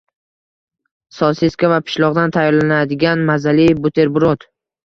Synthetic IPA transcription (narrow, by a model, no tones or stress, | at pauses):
sɒseskʲavapʰɪ̥ʃlˠɒʁd̪ant̪ʰajɒɾlanad̪ɪɡʲanmazalibʊt̪ʰe̞ɾbʊɾot̪